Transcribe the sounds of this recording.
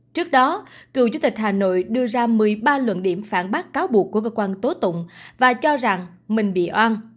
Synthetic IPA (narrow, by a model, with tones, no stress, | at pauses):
t͡ɕɨ˦˥ək̚ɗɔ˨˦kɨ˨˩wt͡ɕu˧t̪ï˨˩k̟̚ɦhaː˨˩no̰˧˨jɗɨ˧əzaː˧mɨ˨˩əjɓaː˧lwə̰˧˨nɗi˧˩əmfaː˧˩nɓaː˦˥k̚kːaː˨˦wɓu˨˩ək̚ːu˧˩əkəː˧kwaː˧nt̪o˨˦t̪ʊ̰˧˨ŋ͡mvaː˨˩t͡ɕɔ˧za˨˩ŋ | mï˨˩ŋ̟ɓḭ˧˨ʔwaː˧n